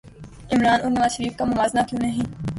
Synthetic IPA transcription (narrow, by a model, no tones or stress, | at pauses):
ɪmɾaːnʔʊɾnəʋaːʃəɾiːfk̪amʊʋaːznaːk̪ijũnɐɦĩː